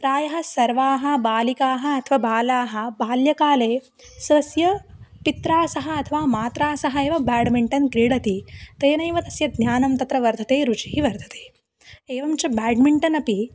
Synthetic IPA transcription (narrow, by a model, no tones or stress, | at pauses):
pɾaːjɐɦɐ̆sɐɾʋaːɦɐ̆baːlikaːɦɐ̆ɐt̪ʰɐʋaːbaːlaːɦɐ̆baːljɐkaːleː | sʋɐsjɐpit̪ɾaːsɐɦɐ̆ɐt̪ʰɐʋaːmaːt̪ɾaːsɐɦɐeːʋɐbaːɖmiɳʈɐnkɾiːɽɐt̪it̪ɐjɐnɐjʋɐt̪ɐsjɐd̪ɲʲaːnɐmt̪ɐt̪ɾɐʋɐɾd̪ʱɐt̪eːɾut͡ʃiɦiʋɐɾd̪ʱɐ̥t̪eː | eːʋɐmt͡ʃɐbaːɖmiɳʈɐnɐpi